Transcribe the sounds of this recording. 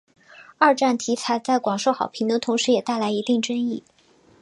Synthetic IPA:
ɐ˥˧ʈ͡ʂa˥˩nt̪ʰi˧˥t͡sʰa˧˥ɪt͡sa˥˩ɪkwɑ˨˩ŋʂo˥˩ʊxɑ˨˩ʊpʰi˧˥ŋd̪ə˧t̪ʰʊ˧˥ŋʂɻ̩˧˥jɛ˨˩t̪a˥˩ɪla˧˥ɪi˧˥t̪i˥˩ŋʈ͡ʂə˥ŋi˥˩

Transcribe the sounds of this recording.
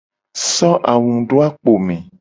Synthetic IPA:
sɔ˦ʔa˨wũ˨ɖo˦a˦k͡po˨mẽ˨

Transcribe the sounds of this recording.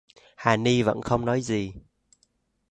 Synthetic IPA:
haː˨˩ni˧və̰˧˥nxə˧wŋ͡mnɔ˨˦jzi˨˩

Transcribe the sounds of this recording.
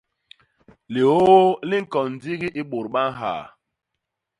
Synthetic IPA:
li˨o˦li˦ŋ̩˦kɔ˨n̩˨d͡zi˦ɣi˦ʔi˦ɓo˨ɾɓa˦n˦ɦa̰˨

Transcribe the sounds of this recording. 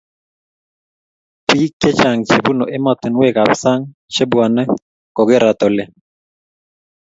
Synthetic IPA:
pi˦kːe˦t͡ʃa˨ŋt͡ʃe˨bu˦no˨ʔɛ˦mɔ˨t̪ɪ˨nwe˦˨ka˨psa˦ŋ | t͡ʃe˦bwa˨nɛ˦ | kɔ˨ɡɪ˦ɾa˨t̪ɔ˨lɛ˨

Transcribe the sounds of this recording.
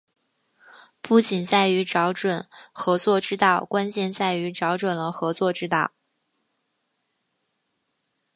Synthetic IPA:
pu˥˩t͡ɕi˨˩nt͡sa˥˩ɪy˧˥ʈ͡ʂɑ˧˥ʊʈ͡ʂwə˨˩˦nxɤ˧˥t͡swɔ˥˧ʈ͡ʂɻ̩˥t̪ɑ˥˩ʊkwa˥nt͡ɕjɛ˥˧nt͡sa˥˩ɪy˧˥ʈ͡ʂɑ˧˥ʊʈ͡ʂwə˨˩nlə˦xɤ˧˥t͡swɔ˥˩ʈ͡ʂɻ̩˥t̪ɑ˥˩ʊ

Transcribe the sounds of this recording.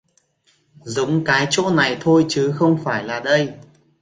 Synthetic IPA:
zʊ˨˦wŋ͡mkaː˨˦jt͡ɕo̰˧˥na˨˩jt̪ʰo˧jt͡ɕɨ˨˦xə˧wŋ͡mfaː˧˩jlaː˨˩ɗə˧j

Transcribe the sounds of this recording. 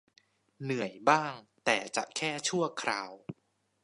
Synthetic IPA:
nɯ˨˩əjbaː˥˩ŋt̪ɛː˨˩t͡ɕa̰˨˩kʰɛː˥˩t͡ɕʰu˥˩ɐəkʰɾaː˧w

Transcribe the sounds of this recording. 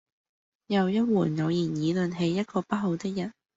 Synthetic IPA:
jɐ˨wjɐ˥t̚wuː˨˩njɐ˨˧wjiː˨˩njiː˨˧lɵ˨nɦe˨˧jːɐ˥t̚kʰɔː˧pɐ˥t̚ɦo˨˧wt̪ɪ˥k̚jɐ˨˩n

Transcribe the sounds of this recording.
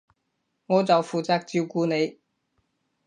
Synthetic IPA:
ŋɔː˨˧t͡sɐ˨wfuː˨˩t͡saː˧k̚t͡siː˧wkuː˨˧ne˨˧j

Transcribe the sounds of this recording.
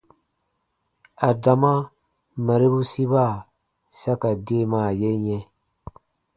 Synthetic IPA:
a˨da˨ma˦ | ma˨ɾi˦bu˦si˦ba˦˨ | sa˦ka˨de˦˨ma˨je˦ɲe˦

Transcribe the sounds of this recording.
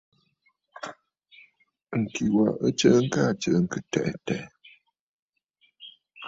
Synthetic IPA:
ŋ̩˨ki˨wa˨ə˦t͡ʃə˦ŋ̩˦ka˦˨t͡ʃə˨ŋ̩˨kɨ˨tɛ̰˨ʔtɛ̰˨ʔ

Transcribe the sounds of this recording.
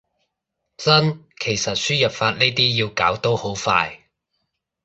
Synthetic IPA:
t͡sɐ˥nkʰe˨˩jsɐ˨t̚syː˥jɐ˨p̚faː˧t̚ne˥jt̪iː˥ji˧wkaː˨˥wt̪o˥who˨˥wfa̰ː˧j

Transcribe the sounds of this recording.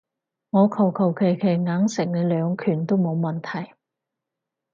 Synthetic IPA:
ŋɔː˨˧kʰɐ˨˩wkʰɐ˨˩wkʰe˨˩jkʰe˨˩jŋaː˨˥ŋsɪ˨˩k̚ne˨˧˥lœː˨˧ŋkʰyː˨˩nt̪o˥wmo˨˧wmɐ˨˩nt̪ʰɐ˨˩j

